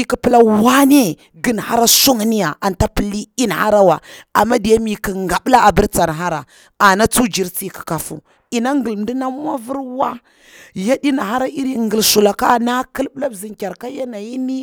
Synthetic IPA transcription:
i˦ki˨pə˦la˦wa˦ne˦ | ɡi˦n˨ha˦ɾa˦su˦ŋ˦ni˦ja˨a˨nta˦pi˨li˦i˦n˨ha̰˦ɾa˦wa˨a˨mːa˦di˨ja˦mi˨ki˨ŋɡa˨ɓla˦a˨bi˦ɾt͡sa˨n˨ɦa˦ɾa˨ | a˨na˦t͡su˦d͡ʒi˨˦ɾt͡si˦ki̥˨ka˨fṵ˦ | i˨na˦ŋɡə˨lm˨di˦na˦m˦wa˦vi˦ɾwa˦ | ja˦di˦na˨ɦa˦ɾa˦i˦ɾi˦ŋɡə˨lsu˨la˨ka˦˨na˦ki˦lbla˦bzi˨ŋkʲa˨ɾka˦ja˦na˨ji˦ni˦

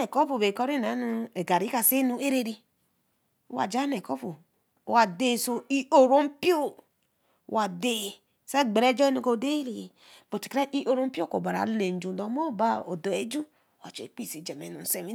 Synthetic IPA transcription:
e˨ko˦po˨be˨kɔ˦ɾi˦˨na˨˦nu˦e˨ɡa˨ɾi˨˦ka˨se˦nu˦e˦ɾe˦ɾi˦˨˦ | wa̰˨d͡ʒa˦ne˨ko˦po˨ | wa˨de˦˨so˦i˦o˨ɾo˦m˦pi˦o˦˨ | wa˨de˦˨ | sa˦ɡ͡be˨ɾe˦d͡ʒɔ˦e˦no˨ko˨de˦ɾi˨ | b̥o˨ti̥˨kɾa˦ʔi˦ʔo˨ɾo˦m˦pi˦o˦ko̰˨ba˨ɾa̰˨˦le˨n˨d͡ʒu˨do˨˦mo˦˨ba˦o˨do˨e˨˦d͡ʒu˦˨ | wa̰˨t͡ʃḛ˨k͡pi˦˨si˨d͡ʒe˨mḛ˨nu˨n˨se˨mi˦

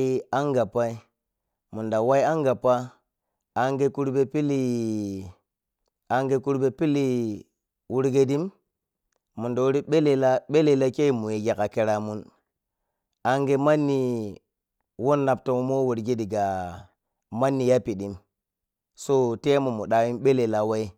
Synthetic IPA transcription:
a˦ŋɡa˨pa˦i˦ | mu˨nda˨wa˦ji˦a˦ŋɡa˨paː˦˨ | ŋɡe˦ku˦ɾbe˦pi˦li˦ | a˨ŋɡe˦ku˦ɾbe˨pi˦li˦ | wu˦ɾɡe˦di˦m | mu˨ndo˨wo˦ɾi˦ɓe˦le˨la˦ɓe˦le˨la˦ke˦i˦˨mu˨je˨ɡe˨ka˨ke˨ɾa˨mu˦n | a˦ŋɡe˦ma˦nːi˨ | wo˦nːa˨p̚to˨mo˦mo˦wu˨ɾɡe˦di˨ɡa˨ | ma˦nːi˨ja˦pi˨di˨˦m | so˦te˦mo˨mu˨ɗa˨wi˦mɓe˦le˨la˨wa˦i˦

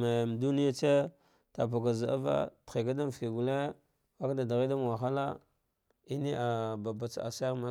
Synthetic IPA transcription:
me˨m˨du˦ni˦ja˦t͡ʃe˦ | ta˨ba˨ɡa˨za˨a̰˦va̰˦ti˨ɡa˦da˦m˨fi˨ɡu˨le˦ | wa˦kda˨da˨ɣi˦da˦m˨wa˨xa˦la˦ | i˦ni˦a˨ba˨ba˨t͡sa̰˨sa˦ma˦

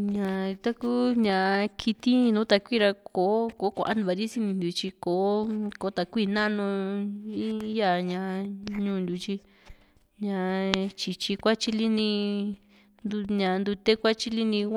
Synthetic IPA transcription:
ɲã˨˧t̪a˦ku˦ɲã˧kʰi˧t̪ĩ˦˧nũ˨˦t̪a˧kʷiː˦˨ɾa˧kʰo˨˦ko˨˦kʷa̰˧˨ʔa˦nd̪u˧βa˧ɾi˦si˧˦nĩ˧nd̪u˨˧t͡ʃi˧ko˨˦ko˨˦t̪a˧kʷiː˦˧˨nã˦nũ˧ĩ˦ja˧˨ɲã˧ɲũː˧˦˨nd̪u˧t͡ʃi˧ | ɲã˧˨t͡ʃi˧t͡ʃi˧kʷa˦t͡ʃi˦li˦nĩ˧ | nd̪u˧ɲã˧nd̪u˧t̪e˦kʷa˦t͡ʃi˦li˦nĩ˧

